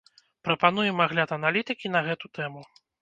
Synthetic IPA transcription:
pɾɐpanujɛmaɣlʲat̪ɐnalʲit̪ɨkʲin̪ɐɣɛt̪ut̪ɛmu

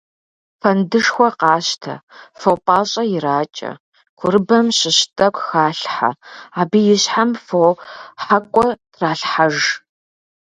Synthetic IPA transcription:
fɐndɨʂxʷɔqɑːɕtʰɐ̰fowpʼaːɕʼɐjɪɾaːt͡ʃʼɐ̰ | kʷʰʊɾɨbɐmɕɪɕtʼɐkʷxaːɬħa̰aːbiːjɪɕħamfowħakʷʼɔtʰraːɬħaʒ

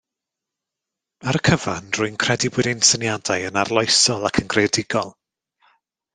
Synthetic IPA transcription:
aɾəkʰəvanrʊɨnkʰr̥ɛdibʊɾɪnsənjadajənarlˠɔjsɔlˠakʰənɡrejdɪɡɔlˠ

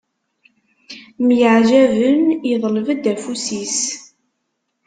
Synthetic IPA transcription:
mjəʕʒævəniðˤləvəd̪æfusis

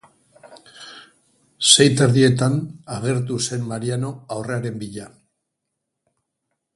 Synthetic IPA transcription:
se̞jt̪eɾðie̞t̪̬anaɣe̞ɾt̪̬use̞mmaɾiano̞awre̞aɾe̞mbiʎa

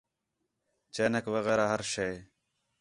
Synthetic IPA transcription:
t͡ʃeːnəkʋəɣɛːɾaːɦəɾʃej

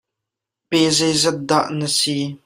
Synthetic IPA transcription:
pezɛjzɛt̪̚d̪aʔnəsi

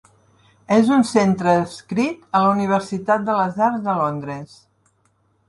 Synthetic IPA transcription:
ezunsent̪ɾəːskɾit̪ələuniβ̞əɾsit̪at̪̚d̪ələzaɾzðəlond̪ɾəs

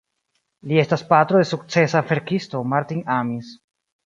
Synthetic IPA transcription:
lie̞staspatɾo̞de̞suk̚t͡se̞safe̞ɾkisto̞maɾtinamis

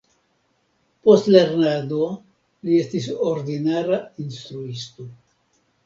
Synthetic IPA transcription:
po̞stle̞ɾnado̞ | lie̞stisoɾdinaɾainst̪ɾuisto̞

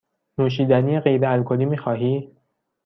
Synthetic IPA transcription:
nuːʃ̬iːd̪æniːjeɣejbeælkʰoliːmiːxɒːɦiː

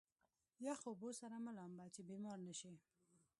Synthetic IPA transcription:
jaxobosaɾaməlambat͡ʃebemɑɾnaʃe

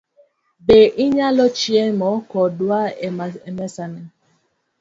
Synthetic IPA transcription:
beʔɪɲalɔt͡ʃiemɔkɔdwaɛmɛsanɛ

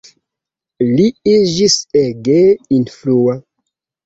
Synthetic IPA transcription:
liid͡ʒiseɡeinflua

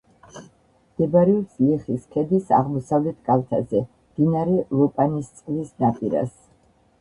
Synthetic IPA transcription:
md̪̥ɛbaɾɛɔsliχiskʰɛd̪isa̰ʁmɔsavlɛt̪ʰkʼalt̪ʰazɛ | md̪̥inaɾɛlˠɔpʼanist̪sʼqʼlisnapʼiɾa̰s

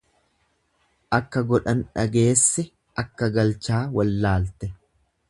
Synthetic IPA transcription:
ʔɐkːɐɡɔᶑɐnᶑɐɡe̞ːsːɛ | ʔɐkːɐɡɐlt͡ʃaːwɐlːaːlt̪ɛ

